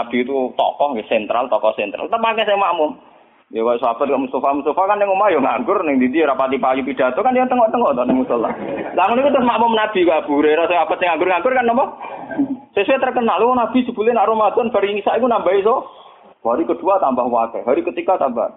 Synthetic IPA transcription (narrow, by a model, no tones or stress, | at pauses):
nab̥i̤t̪ut̪ɔ̰kɔhwɪsɛnt̪ɾa̰lt̪ɔkɔhsɛnt̪ɾa̰lt̪əpakɛsɛŋmamʊm | jɔkasowab̥at̪kaʔmust̪afamust̪afakanːɪŋumajɔŋa̰ŋɡʊrnɪŋt̪it̪ijɾapat̪ipakip̪id̥a̤t̪okanijaŋt̪əŋɔʔt̪əŋɔʔt̪ɔnɪŋmust̪əla̰laŋʊnikut̪ɾʊsmaʔmʊmnab̥i̤kab̥ṳɾeɾasoab̥at̪sɪŋaŋɡʊrŋaŋɡʊrkanːɔmɔŋ | sesuwet̪ərkənaliwɔnab̥i̤̥d͡ʒ̥ə̤b̥ulɛnaʔɾomad̪̥ɔnb̥aɾiiŋisaʔikunambaisɔ | waɾikəd̪̥ṳat̪ambahwakɛɦaɾikət̪ikat̪amba̰h